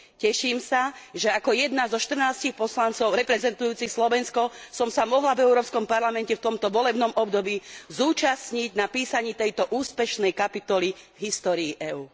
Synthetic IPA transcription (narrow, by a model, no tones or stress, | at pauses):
cɛʃiːmsaʒɛakɔjɛd̪nazɔʃt̪r̩naːscixpɔslant͡sɔʊɾɛpɾɛzɛnt̪ujuːt͡sixslɔʋɛnskɔsɔmsamɔɦlavɛʊɾɔːpskɔmpaɾlamɛncɛft̪ɔmt̪ɔʋɔlɛbnɔmɔbd̪ɔbiːzuːt͡ʃasɲiɟnapiːsaɲiːt̪ɛjt̪ɔʔuːspɛʃnɛjkapit̪ɔlivɦist̪ɔːɾiːʔɛuː